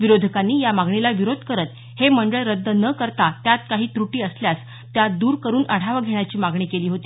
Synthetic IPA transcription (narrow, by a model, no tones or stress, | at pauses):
ʋiɾod̪ʱəkanːiːjamaɡɳilaʋiɾod̪ʱkəɾət̪ | heməɳɖəɭɾəd̪ːənəkəɾt̪at̪jat̪kaɦiːt̪ɾuʈiːəsljas | t̪jad̪uːɾkəɾuːnəɽ̤aʋəɡʱeɳ̃jat͡ɕiːmaɡɳiːkeliːɦot̪iː